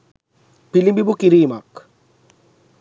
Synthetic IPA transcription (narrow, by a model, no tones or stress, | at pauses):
pilibibukiɾiːmak